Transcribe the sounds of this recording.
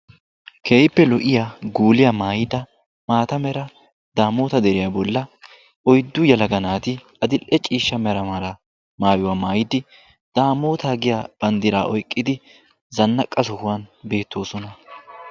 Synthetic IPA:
kʰe̞ːjɪpːɛlɔʔɪjaɡuːlɪjamaːjɪd̪ɐ | maːt̪ɐmɛɾɐ | d̪̥aːmo̞ːt̪ɐd̪ɛɾɪjabɔlːɐ | ɔjd̪ːʊjɐlɐɡɐnaːt̪ɪ | ɐd̪ɪlʔɛt͡ʃʼiːʃːɐmɛɾɐmɐlɐ | maːjʊwaːmaːjɪd̪ɪ | d̪̥aːmo̞ːt̪aːɡɪjaːb̥ɐnd̪ɪɾaːʔɔjkʼːɪd̪ɪ | zɐnːɐkʼːɐsɔhʊwanbe̞ːt̪ːo̞ːsɔnɐ

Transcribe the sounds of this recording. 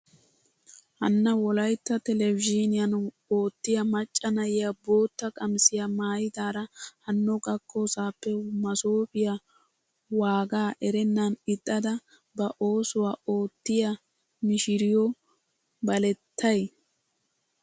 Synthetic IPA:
hɐ̰nːɐwɔlɐjt̪ːɐt̪ɛlɛvɪd͡ʒinɪjɐn | o̞ːt̪ːɪjɐmɐt͡ʃʼːɐnɐjɪjabo̞ːt̪ːɐkʼɐmsɪjɐmaːjɪd̪aːɾɐhɐnːɔɡɐkʰːoːsaːpːɛmɐsoːpɪjɐ | waːɡaːʔɛɾɛnːɐnɪd̪ʼːɐd̪ɐ | bɐʔo̞ːsʊwaːo̞ːt̪ːɪjɐ | mɪʃɪɾɪjɔ | bɐlɛt̪ʰːɐj

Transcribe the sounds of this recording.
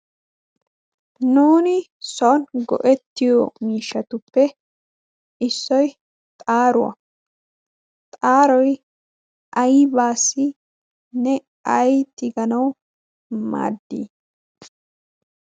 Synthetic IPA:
nuːnɪsɔnɡɔ̰ʔɛt̪ːɪjɔmiːʃːɐt̪ʊpːɛ | ɪsːɔj | t̪ʼaːɾʊwɐ̰ | t̪ʼaːɾɔj | ʔɐjbaːsːɪ | nɛ | ɐjt̪ʼɪɡɐnɐw | ma̰ːd̪ːḭː

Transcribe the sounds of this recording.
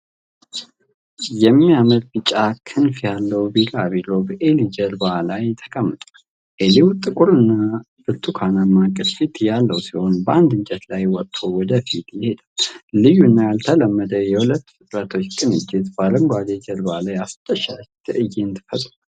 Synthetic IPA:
jɛmːijamət̪bɨt͡ʃʼːakʰɨnfjalːəwbilaβilo̞bəʔelid͡ʒəɾbalajt̪ʰə̥kʼəmːɨt̪ʼal | ʔelewut̪ʼːɨkʼuɾɨnːa | b̥ɨɾt̪ʰʼukʰanamːakʼɨlfit̪jalːəwsiho̞nbəʔand̪ɨɲd͡ʒɛt̪lajwɔt̪t̪ʼʰːo̞wɔd̪əfit̪ʰjɪhe̞d̪əlɨjːuɨnːajalt̪ʰələmːəd̪əjɛhulət̪ːfɨt̪ʼɾat̪ʰo̞t͡ʃːkʼɨnɨd͡ʒːɪt̪baɾəŋɡʷad̪ed͡ʒəɾbalajast̪ʰʼəʃat̪ʰɨʔɨjːeɨnt̪ɨ̥fət̪ʼːu

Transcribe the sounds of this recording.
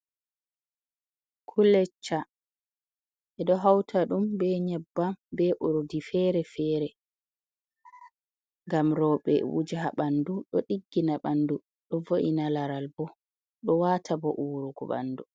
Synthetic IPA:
kʰulɛt͡ʃːa | ʔɛɗɔɦawtʰaɗumbɛɲɛbːabɛʔoɾodifɛːɾɛfɛːɾɛ | ŋɡamɾɔːɓɛ̰wṵd͡ʒaɦaɓanduɗɔɗiɡːinaɓandu | ɗɔvoʔinalaɾalbɔ | ɗɔwaːtʰabɔʔuːɾuɡɔ̰ɓa̰ndu

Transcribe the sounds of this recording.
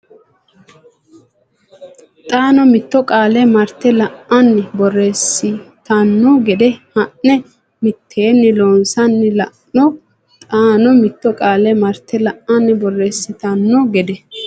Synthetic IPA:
t̪ʼaːnɔmɪt̪ːɔkʼaːlɛmɐɾt̪ːɛlɐʔɐnːɪbɔrːeːsːɪt̪ɐnːɔɡɛd̪ɛhɐʔnɛ | mɪt̪ʰːeːnːɪloːnsɐnːɪlɐ | ɔ | t̪ʼaːnɔmɪt̪ːɔkʼaːlɛmɐɾt̪ʰːɛlɐʔːɐnːɪbɔrːeːsːɪt̪ɐnːɔɡɛd̪ɛ

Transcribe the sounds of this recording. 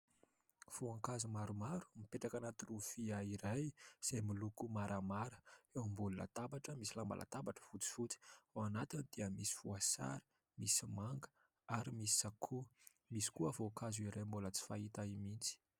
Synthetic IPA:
v̥uaŋkazumaɾumaɾu̥mipeʈ͡ʂakanat̪ulufiaiɾajz̥ajmilukumaɾʔamaɾəewmbuluna̰t̪abaʈ͡ʂəmisilamba̰lʔa̰t̪abaʈ͡ʂə̥fut͡si̥fut͡si̥aanat̪ind̪̥eəmisi̥fuasa̰ɾi̥ | misimaŋɡə̥ | aɾimisi̥sakʰu | misi̥kuəvokazuiɾajmbulət͡si̥fait̪aimint͡si̥

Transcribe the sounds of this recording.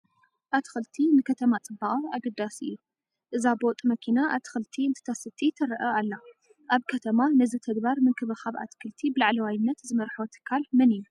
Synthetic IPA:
ʔat̪ʰxɨlt̪ʰinɨkʰɐt̪ʰɐmat͡sʼɨbːaχʼaaɡɐd̪asɨ̰jːu | ʔɨzabot̪ʼmɐkʰinaʔat̪ʰɨ̥xɨlt̪ʰiɨnt̪ʰɨ̥t̪ʰɐsɨt̪ʰit̪ʰɐɾɐʔɐalːa | ʔaβkʰɐt̪ʰɐmanɐzɨt̪ʰɐɡ̪baɾmɨnkʰɨβɨxaβa̰t̪kʰɨlt̪ʰibɨlaʕlɐwajnːɐt̪zɨmɐɾħot̪ʰɨ̥kʰːalmɐnɨjːu

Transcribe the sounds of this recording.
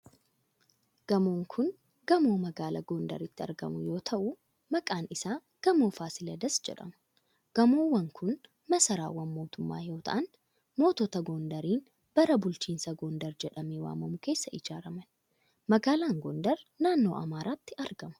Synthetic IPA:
ɡ̥ɐmoːŋkʰʊn | ɡɐmoːmɐɡaːlɐ̰ɡond̪ɐ̰ɾɪt̪ːɪɐ̰ɾɡɐ̰mʊjo̞ːt̪ʰɐʔʊ | mɐkʼaːnɪsaː | ɡ̥ɐmo̞ːfaːsɪlɐd̪ɐsd͡ʒɛ̰ᶑɐ̰mʊ̥ | ɡ̥ɐmoːwɐŋkʰʊn | mɐsɐɾa̰ːwɐnmo̞ːt̪ʊmːa̰ːjo̞ːt̪ʰɐ̰ʔɐn | mo̞ːt̪ɔt̪ɐɡoːnd̪ɐɾiːn | b̥ɐɾɐbʊlt͡ʃiːnsɐɡoːnd̪ɐɾd͡ʒɛᶑɐmeːwa̰ːmɐmʊke̞ːsːɐʔɪd͡ʒaːɾɐmɐn | mɐɡaːlaːŋɡond̪ɐɾnaːnːo̞ːʔɐmaːɾaːt̪ːɪʔɐɾɡɐmɐ̥

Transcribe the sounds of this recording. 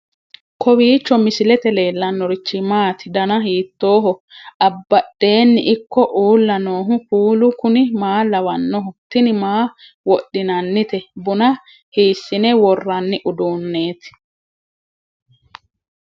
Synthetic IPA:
kʰɔwiːt͡ʃːɔmɪsɪlɛt̪ɛle̞ːlːɐnːɔɾɪt͡ʃːɪmaːt̪ɪd̪ɐnɐɦiːt̪ːo̞ːɦɔɐbːɐɗːe̞ːnːɪʔɪkːɔʔuːlːɐno̞ːɦʊpuːlʊkʊnɪmaːlɐwɐnːɔɦʊt̪ːɪnɪmaː | wɔɗːɪnɐnːɪt̪ɛbʊnɐ | hiːsːɪnɛwɔrːɐnːɪʔʊd̪uːnːeːt̪ɪ̥

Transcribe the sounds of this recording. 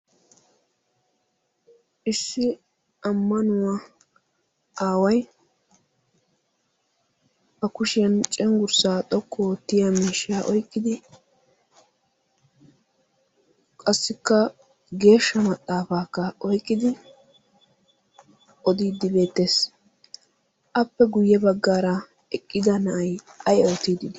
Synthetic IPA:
ʔɪsːɪ | ɐmːɐnʊwɐ | ʔaːwɐj | bɐkʊʃɪjɐnt͡ʃʼɛŋɡʊɾsaːt̪ʼɔkʰːoːt̪ːɪjɐmiːʃjaʔɔjkːɪd̪ɪ | kʼɐsːɪkːɐ | ɡe̞ːʃːɐmɐt̪ʼːaːfaːkːɐɔjkʼːɪd̪ɪ | ʔɔd̪iːd̪ːɪbe̞ːt̪ːe̞ːs | ʔɐpːɛɡʊjːɛbɐɡːaːɾɐ | ɛkʼːɪd̪ɐnɐʔɐjʔɐjɛɔt̪iːd̪ɪd̪

